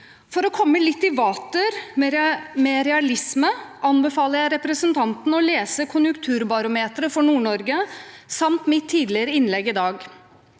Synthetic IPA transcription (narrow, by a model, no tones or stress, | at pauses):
fɔɾɔkʰɔmːəlɪt̪ːɪʋɑːt̪əɾmmɛɾɛɑlɪsməɑnbɛfɑːləɾjæɪɾɛpɾəsənt̪ʰɑnt̪nɔleːsəkʰʊnjʉŋkt̪ʰʉːɾbɑɾʊmeːt̪ɾəfɔɳuːɳɔɾɡəsɑmt̪mɪt̪ʰːiːd̪lɪɾəɪnlɛɡːɪd̪ɑːɡ